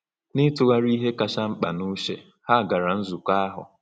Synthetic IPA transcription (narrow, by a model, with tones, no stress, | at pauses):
nɪ˦tʊ˦ɣa˦ɾi˦ɦe˦ka˨ʃa˦ŋ͡m̩˦k͡pa˨nu˦ʃe˨ | ha˦˨ɡa˨ɾa˨n̩˦zu˨kʷa˦ɦʊ̰˨